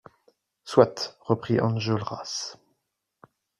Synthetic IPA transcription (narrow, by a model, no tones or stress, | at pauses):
swat̪ʁəpχiʔɑ̃nʒəlʁa̰s